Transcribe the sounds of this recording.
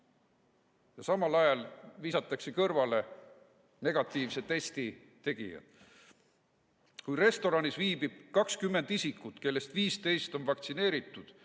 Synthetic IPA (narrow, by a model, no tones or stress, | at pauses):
jɑsɑmɑlɑjɑlviːsɑt̪ːˑɑkse̞kɤrvɑle̞ | ne̞ɡ̥ɑt̪ːˑiːvse̞e̞st̪i | t̪e̞ɡ̥ijɑ̰d̪̥ | kujre̞st̪o̞ɾɑnisviːb̥ib̥kɑkskymːe̞nd̪̥isikːˑut̪ke̞lːe̞st̪viːst̪e̞jst̪o̞nvɑkt̪sine̞ːɾit̪ːˑud̪̥